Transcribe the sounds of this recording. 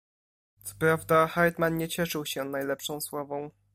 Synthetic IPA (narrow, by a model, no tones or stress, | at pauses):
t̪sɔ̥pɾavd̪axajt̪manɲɛt͡ɕɛʂɘwɕɛnajlɛpʂɔ̃w̃swavɔ̃w̃